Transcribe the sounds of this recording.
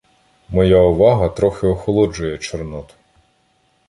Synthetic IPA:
mɔjaʊʋɑɦɐt̪ɾɔxɪɔxɔlˠɔd͡ʒʊjɛt͡ʃɔrnɔt̪ʊ̥

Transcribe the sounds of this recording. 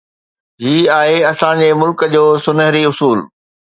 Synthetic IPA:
ɦiːaːɦeɐsãd͡ʑeːmʊlkəd͡ʑoːsʊnəɦɾiʊsuːl

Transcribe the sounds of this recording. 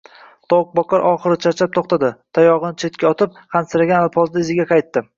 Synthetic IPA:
t̪ʰɒwq̚bɒqɑɾʔɒχɨɾɪt͡ʃʰaɾt͡ʃʰap̚t̪ʰoχt̪ʰad̪ɪt̪ʰajɒʁɨnɪt͡ʃʰe̞t̪̚kʲaɒt̪ʰɪp̚ | χɑnsɪɾaɡʲanlˠpʰɒzd̪aɪzɪɡʲaqʰɑjt̪ːɪ

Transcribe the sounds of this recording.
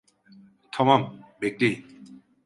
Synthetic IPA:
t̪ʰɔmambek̚t̪i

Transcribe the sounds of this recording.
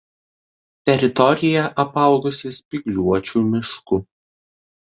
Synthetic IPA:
t̪ʲɛɾʲɪt̪ɔɾʲɪjɛʔɐpɐˑʊɡʊsʲɪsʲpʲɪɡlʲuɔt͡ʃʲuːmʲɪʃkʊ

